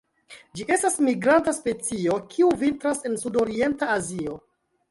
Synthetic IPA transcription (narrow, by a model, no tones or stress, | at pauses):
d͡ʒiʔe̞stasmiɡɾantaspe̞t͡sio̞kʰiuvintɾase̞nsudo̞ɾie̞ntaːzio̞